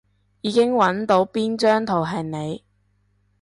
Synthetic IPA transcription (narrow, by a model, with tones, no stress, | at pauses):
jiː˨˧kɪ˥ŋwɐ˨˥nt̪o˨˥wpiː˥nt͡ʃœː˥ŋt̪ʰo˨˩wɦɐ˨˩ne˨˧j